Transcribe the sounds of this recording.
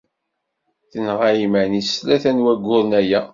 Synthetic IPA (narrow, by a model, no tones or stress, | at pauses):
θənʁajimænislæθænwæɡʷːʊɾnæjæ